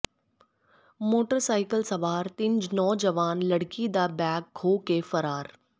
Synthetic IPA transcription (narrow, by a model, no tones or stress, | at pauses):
moːʈəɾsaːɪkəlsɐʋaːɾt̪ind͡ʒnɔːd͡ʒɐʋaːnlɐɽkid̪abɛːk̚ɡʰʱoːkefɐɾaːɾ